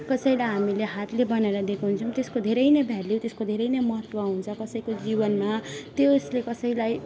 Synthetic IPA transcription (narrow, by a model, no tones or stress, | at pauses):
kʌsʌjlajɦamileɦat̪lebʌnaeɾʌd̪ekʰoɦunt͡sʰʌw̃t̪eskod̪ʱeɾʌjnʌbʱaɾljowt̪eskod̪ʱeɾʌjnʌjmʌɦʌt̪wʌɦunt͡sʰʌkʌsʌjkod͡zibʌnmat̪oslekʌsʌjlaj